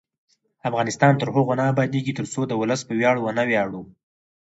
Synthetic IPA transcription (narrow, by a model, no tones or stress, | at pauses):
afɣɑnɪst̪ɑnt̪əɾɦʊɣonaːbɑd̪eɡit̪əɾsod̪əwʊləspəwjɑɽwənawjɑɽu